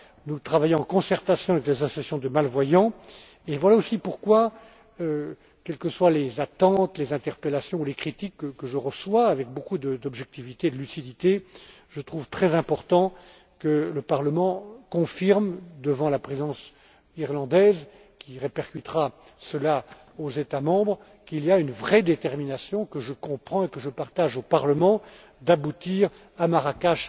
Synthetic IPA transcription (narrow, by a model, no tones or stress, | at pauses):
nut̪χavajɔ̃ɑ̃kɔ̃sɛʁt̪asjɔ̃avɛklezasɔssjɔ̃d̪əmalvwajɑ̃ | evwalaosipuʁkwa | ø | kʲɛlkəswalezat̪ɑ̃t̪lezɛ̃t̪ɛʁpelasjɔ̃ulekχit̪ikːəkːəʒəʁəswaːvɛk̚bokud̪əd̪ɔbʒɛk̚t̪ivit̪ed̪əlysid̪it̪e | ʒ̥ət̪χuvt̪χɛzɛ̃pɔʁt̪ɑ̃ | kələpaʁləmɑ̃kɔ̃fiʁmd̪əvɑ̃lapχezɑ̃s | iʁlɑ̃d̪ɛz | kʲiʁepɛʁkyt̪ʁa | səla | ozet̪amɑ̃bʁ | kiliaynvʁɛd̪et̪ɛʁminasjɔ̃kəʒəkɔ̃pχɑ̃ekəʒəpaʁt̪aʒopaʁləmɑ̃ | d̪abut̪iʁ | amaʁakaʃ